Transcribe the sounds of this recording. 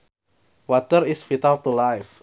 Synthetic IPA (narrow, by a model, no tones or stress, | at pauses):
wat̪əɾisfit̪alt̪ulajf